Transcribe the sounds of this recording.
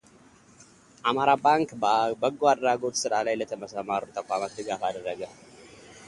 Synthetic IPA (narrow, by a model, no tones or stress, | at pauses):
ʔamaɾabaŋkbəɡoad̪ɾaɡo̞t̪sɨɾalajlət̪ʰəməsəmaɾut̪ʰəkʷamat̪d̪ɨɡafad̪ərːəɡə